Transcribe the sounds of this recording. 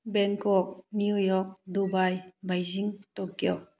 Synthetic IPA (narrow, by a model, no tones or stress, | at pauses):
bɛnkɔk̚nijujɔk̚dubajbajziŋtɔk̚ːjɔk̚